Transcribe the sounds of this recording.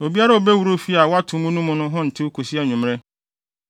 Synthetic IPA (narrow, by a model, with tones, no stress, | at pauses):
o˨bi˦a˦ɾa˦o˨be˦wu˨ɾo˦fi˦a˨wɔ˦a˦tʰũ˨˦mũ˦nũ˦mʊ̃˦nʊ̃˦ɦʊ̃˦n̩˨tʰɪ˦u˦kʰo˨si˦a˦ɲʊ̃˨m˦ɾɛ˦